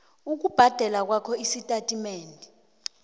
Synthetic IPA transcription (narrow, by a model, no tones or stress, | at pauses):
uk̬ub̥ʱad̥ʱɛlak̬wakʰɔisitʼatʼimeːndʱi